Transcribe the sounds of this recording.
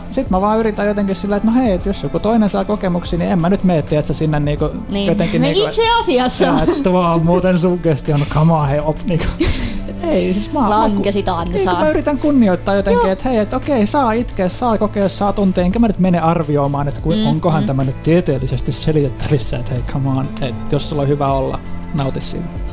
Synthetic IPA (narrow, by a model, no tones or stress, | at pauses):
sit̪mæʋɑːyrit̪æjjot̪eŋkissilːæet̪noheiet̪josːukut̪oinensɑːkokemuksiːniemmænyt̪meːt̪ːiæt̪sæsinːenniːko | njot̪eŋkiiːŋit̪seɑsiɑsːɑet̪ːʋɑːmuːt̪ensuːkest̪ionkɑmɑheopniːko̥eeisismɑːkæsit̪ɑinːsɑkumæyrit̪æŋkunːioit̪ːɑːjjot̪eŋkkiet̪heiet̪okeisɑːit̪keːssɑːkokeːssɑːt̪unt̪eːeŋkæmænyt̪meneɑrʋioːmɑːnet̪kuioŋkohɑnt̪æmænyt̪t̪iet̪eːlːisest̪isselit̪et̪ːæʋisːæet̪heikʰɑmɑːnet̪jossulːohyʋæolːɑ̰nɑut̪isːḭːn